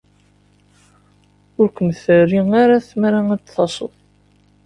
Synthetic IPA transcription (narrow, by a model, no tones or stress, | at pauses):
ʊɾkʷəmθərːiŋaɾaθmɾaæθɑsˤə̰ðˤ